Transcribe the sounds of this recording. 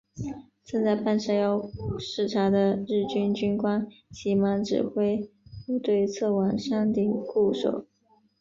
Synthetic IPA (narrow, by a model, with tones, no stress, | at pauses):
t͡sə˥nt͡sa˥˧ɪpa˥˧nʂa˥˧jɑ˥˧ʊʂɻ̩˥˩ʈ͡ʂʰa˧˥d̪ə˧ɻɻ̩˥˩t͡ɕy˥nt͡ɕy˥nkwa˥nt͡ɕʰi˧˥ma˧˥ŋʈ͡ʂɻ̩̰˨˩xwe˥ɪpu˥˧t̪we˥˧ɪt͡sʰɤ˥˩wa˨˩ŋʂɑ˥ŋt̪i˥˩ku˥˩ʂo̰˨˩ʊ